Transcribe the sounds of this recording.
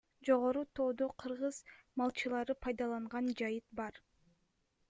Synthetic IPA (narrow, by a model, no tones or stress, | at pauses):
d͡ʒo̞ʁo̞ɾut̪ʰo̞ːd̪oqʰɯɾʁɯzmɑlˠt͡ʃɯlˠɑɾɯpʰɑjd̪ɑlˠɑɴʁɑnd͡ʒɑjɯt̪̚bɑɾ